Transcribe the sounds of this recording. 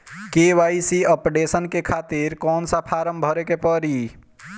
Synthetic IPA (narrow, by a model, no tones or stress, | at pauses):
keʋaːisiəpɖesənkekʰaːt̪iɾkɔːnsapʰaːɾəmbʱəɾekepəɾi